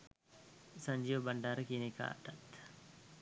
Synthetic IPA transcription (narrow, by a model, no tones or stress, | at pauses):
sɐɲd͡ʒiːʋəbɐɳɖaːɾəkiːneka̰ːʈːat̪